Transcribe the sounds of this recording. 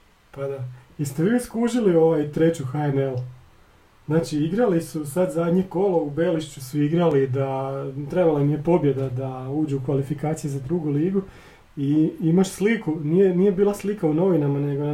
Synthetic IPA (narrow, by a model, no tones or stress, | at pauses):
pad̪aist̪e̞ʋiuskuːʒilio̞ʋajt̪ɾe̞t͡ɕuxaemel | znaːt͡ʃiiɡɾalisusad̪zad̪ɲeko̞loubeːliʃt͡ʃusuiɡɾalid̪at̪ɾe̞balanijepo̞bje̞d̪ad̪auːd͡ʒeukʋalifikaːt̪sijezad̪ɾuɡuliːɡu | iimaʃslikunije̞nije̞biːlˠaslikauno̞ʋinamane̞ɡo